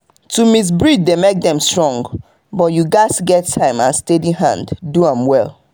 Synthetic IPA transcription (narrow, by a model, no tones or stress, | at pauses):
tʰumis̬bɹid͡ʒdemek̚dɛ̃mstɹ̥ɔ̃ŋɡ | bɔtjuɡaɪsɡɛtʰːãɪ̃mã̰nstediɦã̰ndduãmwɛlˠ